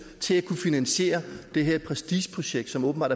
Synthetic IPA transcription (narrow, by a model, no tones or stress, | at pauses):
t͡sʰe̝lækʰufinænɕe̝̰ːɐd̥e̝ɦeɐpʰʁɛsd̥iɕpʰʁo̝ɕeɡ̥̚d̥sɒ̽mɔ̽ːb̥nbɑ̰̈ːdæ